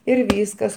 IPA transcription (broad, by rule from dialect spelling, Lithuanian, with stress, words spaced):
ɪr ˈʋʲiːskɐs